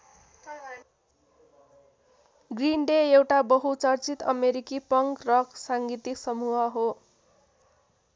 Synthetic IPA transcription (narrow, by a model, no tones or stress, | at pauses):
ɡrinɖeewʈabʌɦut͡sʌrt͡sit̪ʌ̰meɾikipʌŋkrʌksaŋɡit̪iksʌmuɦʌɦo